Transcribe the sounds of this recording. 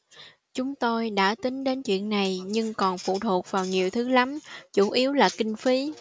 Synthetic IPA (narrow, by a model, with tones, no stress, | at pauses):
t͡ɕʊ˨˦ŋ͡mt̪o˧jɗa̰ː˧˥t̪ï˨˦ŋ̟ɗe˨˦nt͡ɕwḭ˧˨ənːa˨˩jɲɨ˧ŋkɔ˨˩nfṵ˧˨t̪ʰu˨˩t̚vaː˨˩wɲi˨˩əwt̪ʰɨ˨˦la˨˦mt͡ɕu˧˩ʔi˨˦əwlaː˨˩kï˧ŋ̟fi˨˦